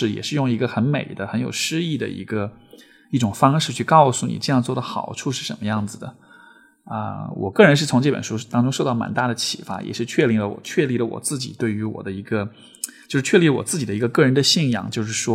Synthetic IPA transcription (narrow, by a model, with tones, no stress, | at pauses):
ɻ̩˥˩jɛ̰˨˩ʂɻ̩˥˧jʊ˥˩ŋi˧˥ɡə˧xə˧˥nme˨˩ɪd̪ə˦xə˧˥njo˨˩ʊʂɻ̩˥i˥˩d̪ə̰˩ḭ˧˥ɡə˧ | i˥˩ʈ͡ʂʊ˨˩ŋfɑ˥ŋʂɻ̩˥˧t͡ɕʰy˥˧kɑ˥˧ʊsu˥˩nḭ˨˩ʈ͡ʂə˥˧jɑ˥˧ŋt͡swɔ˥˩d̪ə˩xɑ˨˩ʊʈ͡ʂʰu˥˧ʂɻ̩˥˩ʂə˧˥nmə˧jɑ˥˩ŋd͡zɹ̩˩d̪ə̰˩ | ə̰˧wʔɔ̰˨˩kɤ˥˩ɻə˧˥nʂɻ̩˥˩t͡sʰʊ˧˥ŋʈ͡ʂɤ˥˩bə̰˨˩nʂu˥t̪ɑ˥ŋʈ͡ʂʊ˥ŋʂo˥˧ʊt̪ɑ˥˩ma̰˨˩nt̪a˥˩d̪ə˩t͡ɕʰḭ˨˩fa̰˥jʔɛ̰˨˩ʂɻ̩˥˧t͡ɕʰɥɛ˥˧li˥˩ŋlə˧wɔ̰˨˩t͡ɕʰɥɛ˥˧li˥˩lə˧wɔ̰˨˩t͡sɹ̩˥˩t͡ɕḭ˨˩t̪we˥˩ɪy˧˥wɔ̰˨˩d̪ə˦i˧˥ɡə˧ | t͡ɕjo˥˧ʊʂɻ̩˥˩t͡ɕʰɥɛ˥˧li˥˩lə˧wɔ̰˨˩t͡sɹ̩˥˩t͡ɕi˨˩d̪ə˧i˧˥ɡə˧kɤ˥˩ɻə˧˥nd̪ə˧ɕi˥˩njɑ̰˥˩ŋt͡ɕjo˥˧ʊʂɻ̩˥˩ʂwɔ˥